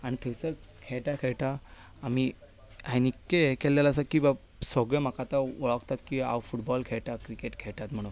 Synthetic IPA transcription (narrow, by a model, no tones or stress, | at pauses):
aɽ̃it̪ʰesəɾ | kʰɛɭʈakʰɛɭʈaː | mi | ajnikːekɛlːɛlas̬akĩʋa | sɔɡɭəmakat̪aɔɭəkt̪at̪kia̰wfuʈbɔlkʰɛɭʈakɾikeʈkʰɛɭʈ̪at̪m̤əɽ̃u